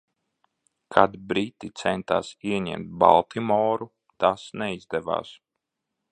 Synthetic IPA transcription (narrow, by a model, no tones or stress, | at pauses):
kʰad̪bɾit̪ːit̪sɛnt̪a̰ːsiɛɲɛ̰mt̪̚ba̰lˠt̪imɔːɾu | t̪asnɛizd̪ɛva̰ːs